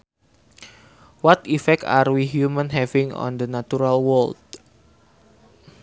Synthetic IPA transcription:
wat̪ifɛk̚a̰rwiɦjumãnɦɛvɪ̃ŋɔ̰nd̪ənatuɾalwɔld̚

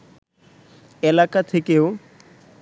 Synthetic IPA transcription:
elakat̪ʰekeo

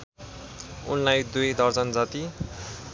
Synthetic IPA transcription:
ṵnlajd̪ujd̪ʌrd͡zʌnd͡zat̪i

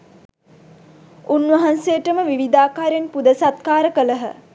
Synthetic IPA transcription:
unʋɐɦansejəʈəməʋiʋid̪aːkaːɾjanpud̪əsat̪kaːɾəkələɦə̰

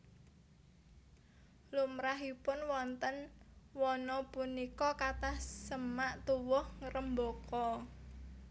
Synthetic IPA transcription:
lumɾaɦipʊnwɔnt̪ənwɔnɔpunikɔkat̪ahsəmaʔt̪uwʊhŋɾəmbokʰɔ

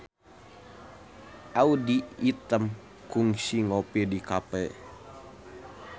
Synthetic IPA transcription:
audiːt̪əm | kuŋsiŋopidikapɛ

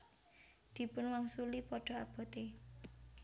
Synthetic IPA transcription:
d̪̥i̤pʊnwaŋsulipɔɖ̥ɔ̤ab̥ɔ̤t̪e

